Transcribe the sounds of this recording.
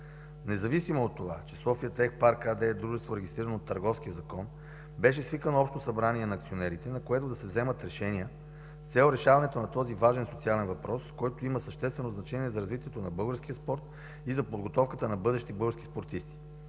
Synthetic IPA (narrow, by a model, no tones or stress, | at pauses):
nɛzɐvisimoːt̪ːova̰t͡ʃɛsɔfiət̪ɛxpaɾkad̪ɛɛd̪ɾuʒɛst̪voɾɛɡʲist̪ɾiɾənot̪ːɐɾɡɔfsk̟ijəzɐkɔn | bɛʃɛsvikənoɔpʃt̪osɐbɾaniɛnɐːkt̪sionɛɾit̪ɛnɐkoɛt̪od̪ɐsɛvzɛmət̪ɾɛʃɛniə | st̪sɛlˠɾɛʃavɐnɛt̪onɐt̪ɔzivaʒɛnsot̪sialɛnvɐpɾɔskɔjt̪oiməsɐʃt̪ɛst̪vɛnoznɐt͡ʃɛniɛzɐɾɐzvit̪ʲiɛt̪onɐbɤlˠɡəɾsk̟ijəspɔɾt̪ | izɐpod̪ɡot̪ɔfkət̪ənɐbɤd̪ɛʃt̪ibɤlˠɡəɾskʲi̥spoɾt̪ist̪i̥